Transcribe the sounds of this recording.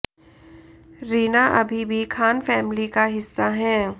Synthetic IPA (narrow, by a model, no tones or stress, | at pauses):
ɾiːnaʔɐbʱibʱikʰaːnfɛːmlikaɦɪsːaɦɛ̃ː